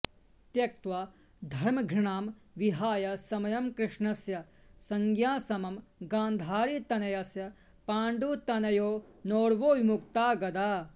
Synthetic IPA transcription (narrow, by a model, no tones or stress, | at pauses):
t̪jɐk̚t̪ʋa | d̪ʱɐɾmɐɡʱɾiɳaːmʋiɦaːjɐsɐmɐjɐmkɾɪʂɳɐsjɐ | sɐŋɡjaːsɐmɐmɡãːnd̪ʱaːɾit̪ɐnɐjɐsjɐ | paːɳɖuːt̪ɐnɐjoː | noːɽʋoːʋimukt̪aːɡɐd̪aː